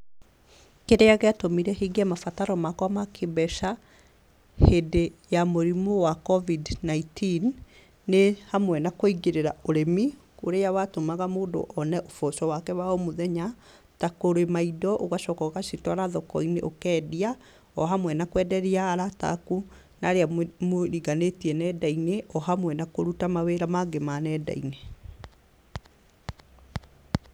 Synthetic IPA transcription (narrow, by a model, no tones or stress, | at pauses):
keɾeaɣeatomiɾɛheːɡeɛmafataɾɔmakwamakʰebɛʃa | hedejamoɾimowakɔvidnaitinː | ehamwɛnakoiɣeɾeɾaoɾemikoɾeawatomaɣamoːndo̰ʔɔnɛʔofɔʃɔwakɛwaomoðɛɲa | takoɾemaidɔʔoɣaɕɔkɔɣaʃitwaɾaðɔkɔinḛʔokɛːdia | ɔɦamwɛnakwɛdɛɾiaːɾata̰ku | naɾeamoɾiɣanetiɛnɛdaineʔɔhamwɛnakoɾutamaweɾamaɡemanɛːda̰ine